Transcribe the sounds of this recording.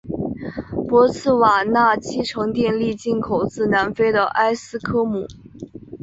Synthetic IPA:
pwɔ˧˥t͡sʰɹ̩˥˩wa˨˩na˥˩t͡ɕʰi˥ʈ͡ʂʰɤ˧˥ŋt̪jɛ˥˧nli˥˧t͡ɕi˥˩nkʰo˨˩ʊt͡sɹ̩˥˩na˧˥nfe˥ɪd̪ə˨ʔa˥ɪsɹ̩˥kʰɤ˥mu˨˩˦

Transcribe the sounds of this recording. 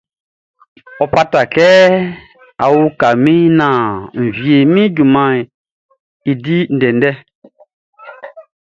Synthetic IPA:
ɔ˨pa˦ta˨kɛ˦ | a̰˨wu˦ka˨mĩ˦nã˨m̩˨vje˨mĩ˦ɟu˨mã˨ | i˨di˦n̩˨dɛ˨n˦dɛ˦

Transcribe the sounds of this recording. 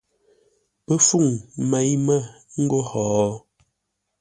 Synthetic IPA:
pə˦fu˦˨ŋmɛ˨˦jmə˦˨ | ŋ̩˦ɡo˦hɔː˨˦

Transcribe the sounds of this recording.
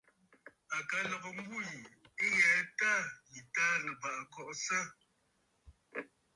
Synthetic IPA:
a˨ka˨lɔ˨ɣɔ˨m̩˦ɡu˦ji˨e˦jɛ˨˦ta˦˨ji˨ta˦nə˨pa˨ʔkɔ˦˨ʔsə˦

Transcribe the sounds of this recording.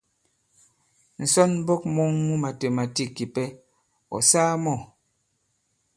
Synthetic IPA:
n̩˨sɔ˦n˦bɔ˦k̚mɔ˦ŋːu˦ma˨te˨ma˨ti˦ki˨pɛ˦ | ɔ̰˨saː˦mɔ˦˨

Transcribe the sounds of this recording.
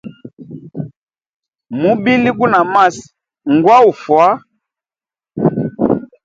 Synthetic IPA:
mu˦bi˦li˦k̬u˦na˨ma˦s | ŋɡwa˦u˨fwa˦

